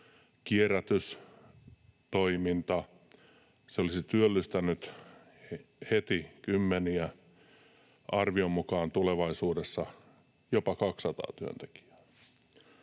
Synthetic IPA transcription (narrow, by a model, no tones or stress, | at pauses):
kieræt̪ys | t̪oimint̪ɑ | seolisit̪yølːyst̪ænyt̪ | het̪ikymːeniæ | ʔɑrʋiomːukɑːnt̪uleʋɑisuːdesːɑ | jopɑkɑksːɑt̪ɑ̰ːt̪yø̰nt̪e̥ki̥æ̥